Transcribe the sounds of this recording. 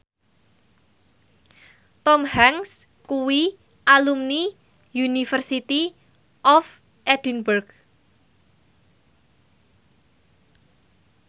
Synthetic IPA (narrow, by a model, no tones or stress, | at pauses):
t̪ɔmhaŋs | kuwi | ʔalumni | junifərsit̪i | ʔɔf | ʔɛd̥ənburɡ